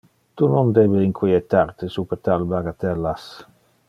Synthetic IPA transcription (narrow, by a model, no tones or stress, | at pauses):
t̪unond̪ebeiŋkʰwiet̪aɾt̪esupeɾt̪albaɡat̪ɛlːas